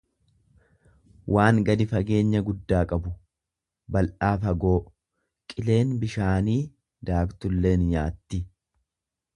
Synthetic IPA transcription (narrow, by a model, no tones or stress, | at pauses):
wʔaːŋɡɐd̪ɪfɐɡe̞ːɲːɐɡʊd̪ːaːkʼɐbʊ | bɐlʔaːfɐɡo̞ː | kʼɪle̞ːnbɪʃaːniː | d̪aːkt̪ʊlːe̞ːnjaːt̪ːɪ